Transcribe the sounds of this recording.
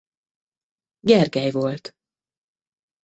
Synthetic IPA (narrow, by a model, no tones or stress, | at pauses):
ɟɛrɡɛjvo̞lt̪